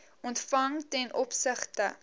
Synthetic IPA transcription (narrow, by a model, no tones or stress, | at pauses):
ɔntfɐŋtɛnʔɔpsəχtə